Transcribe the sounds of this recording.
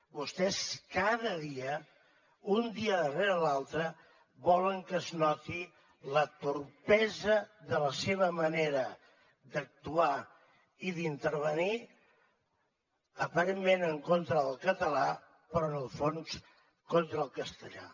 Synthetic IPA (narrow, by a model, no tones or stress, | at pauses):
bust̪ɛskaðəðiə | und̪iəðəreɾəlalˠt̪ɾə | βɔləŋkəznɔt̪i | lət̪urpɛzəðələseβəməneɾə | d̪ək̚t̪ua | iðint̪əɾβ̞əni | əpəɾemmenəŋkont̪ɾəðəlˠkət̪əla | pəɾɔənəlˠfons | kont̪ɾəlˠkəst̪əʎa̰